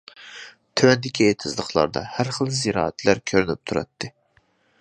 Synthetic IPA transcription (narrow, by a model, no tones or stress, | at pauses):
t̪ʰøwɛnd̪ɪkʲʰiet̪ʰɨzlˠəχlˠɑ̰ɾd̪ɑ̰hæɾχəlˠziɾɑ̰ːæt̪ʰlæɾkʲʰøɾynyp̚t̪ʰuɾɑ̰t̪ʰːɨ